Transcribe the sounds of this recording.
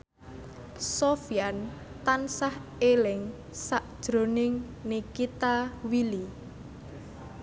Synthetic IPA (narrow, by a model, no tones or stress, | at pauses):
sofiant̪ansahelɪŋ | saʔd̥ʒ̥ɾo̤nɪŋnikit̪awili